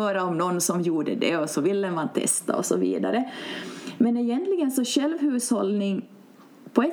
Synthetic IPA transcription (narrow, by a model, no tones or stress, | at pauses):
øːɾaɔmnɔnːsɔmjuːɖəd̪ɛ̰ɔsɔvɪlːəmant̪ʰɛ̰st̪a̰ɔ̰sɔvḭːd̪a̰ɾə | mɛnɪjɛnt̪lɪɡənsɔɕɛlvɦʉːshɔlnɪŋ | pʰɔɛ